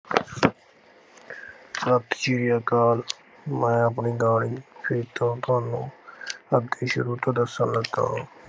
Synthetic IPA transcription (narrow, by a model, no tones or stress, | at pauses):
sət̪ʰt͡ʃiːɾijaːkaːl | mɛ̃ːəpniːd̪aːɽiːpʰeːt̪õːt̪ʊaːnũːəd̪eːʃʊɾuːt̪ãd̪əsənləɡt̪a̰ːɦõː